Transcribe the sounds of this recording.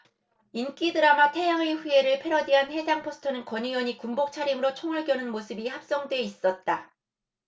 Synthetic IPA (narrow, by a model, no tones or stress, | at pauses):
ink͈idɯɾamatʰejaŋeɸue̞ɾɯɭpʰe̞ɾʌdiɦanhe̞d͡ʑaŋpʰosʰɯ̥tʰʌnɯnkʌɲijʌɲikumbok̚t͡ɕʰaɾimɯɾot͡ɕʰoŋɯɭɡ͈jʌnɯnmosʰɯbihap̚s͈ʌŋdwe̞is͈ʌt̚t͈a